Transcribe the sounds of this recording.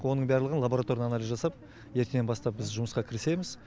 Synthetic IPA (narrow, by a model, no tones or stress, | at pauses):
wo̞nəɴbæɾlˠəʁnlˠabo̞ɾat̪o̞ɾjnɑnɑlʲizʒɑsɑp̚ | je̞ɾt̪enenbɑst̪ɑp̚bɪzʒʊməsqɑkʲʰɪɾɪse̞jmɪz̥